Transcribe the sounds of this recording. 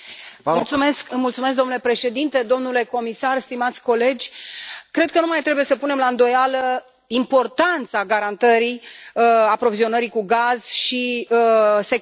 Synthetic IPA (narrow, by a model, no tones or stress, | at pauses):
mult̪sume̞skɨmult̪sumesk̚d̪onulepɾe̞ʃe̞d̪int̪e̞d̪o̞mnule̞ko̞misarst̪imat̪sʲko̞le̞d͡ʒʲkɾe̞d̪̚kənumajt̪ɾebuje̞səpune̞mlaɨnd̪o̞jalə | impo̞rt̪ant̪saɡaɾant̪əɾi | apɾo̞vizio̞nəɾikuɡaz̥ʃi | se